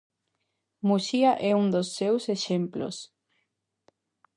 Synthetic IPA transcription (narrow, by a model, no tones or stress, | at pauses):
musiaʔɛuŋd̪osːewseʃemplo̰s